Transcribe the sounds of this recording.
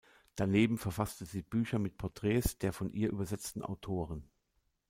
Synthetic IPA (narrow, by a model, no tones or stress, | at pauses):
d̥aneːbm̩fɛɐfastəziːb̥yːçɐmɪt̚pʰɔɐtʁ̥ɛːsd̥eːɐfɔnʔiːɐʔy̰ːbɐzɛt͡stn̩ʔa̰ʊtʰoːʁən